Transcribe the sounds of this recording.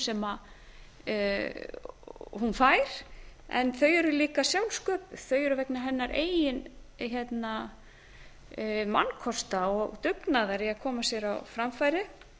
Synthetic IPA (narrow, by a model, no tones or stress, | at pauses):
sɛma | hunfaːjɾ̥ɛ̰nθœɥɛɾʏliːkasjawlskœːpʏð̥θœɥɛɾʏvɛknaɦɛnːaɾʔeːjjɪnçɛt̪na | ma̰nkʰɔst̪aɔɣt̪ʏknaðaɾiaðkʰɔːmasjɛɾawfɾamfajɾɪ